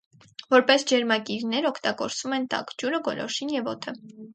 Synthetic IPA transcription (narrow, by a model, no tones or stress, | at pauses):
vɔɾpɛsd͡ʒɛɾmɑkiɾnɛɾɔkʰt̪ɑɡɔɾt͡svumɛnt̪ɑ̰kd͡ʒuɾəɡɔlɔ̰ʃinjɛvɔ̰t̪ʰə